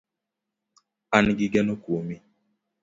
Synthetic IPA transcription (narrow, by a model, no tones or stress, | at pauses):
anɡiɡɛnɔkomi